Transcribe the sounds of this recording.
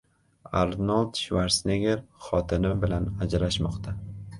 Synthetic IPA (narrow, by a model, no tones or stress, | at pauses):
a̰ɾnalˠd̪ʃvaɾsneɡʲeɾχɒt̪ʰɪnɪbɪlanad͡ʒalaʃmɒqt̪ʰa